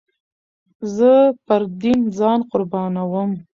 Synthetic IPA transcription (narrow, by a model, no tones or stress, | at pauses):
zəpəɾd̪inzɑnqʊɾbɑnawəm